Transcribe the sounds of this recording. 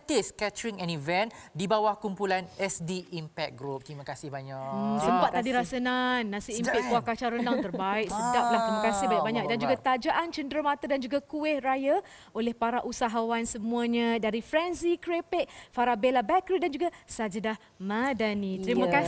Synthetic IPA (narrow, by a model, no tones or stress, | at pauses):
t̪ɪskɛtəɾiŋɛ̃nivɛ̃ndibawahkumpulanɛsdiʔːmpɛk̚ɡɾup̚t̪ɾimakasɪhbaɲaksəmpat̪tt̪ːadiɾasənanːãsiimpɪʔ̚kuahkat͡ʃaɾəndaŋərbaɪʔsədap̚laht̪ɾiməkasɪhbaɲaʔbaɲak̚dand͡ʒuɡat̪ad͡ʒaʔant͡ʃəndɾəmat̪adand͡ʒuɡakuehraja | olɛhpaɾaʔusaɦawansəmũaɲãdaɾifɾɛnsikɾepɛʔ̚faɾabelabɛkɾidand͡ʒuɡasad͡ʒədah | madanĩt̪ɾiməka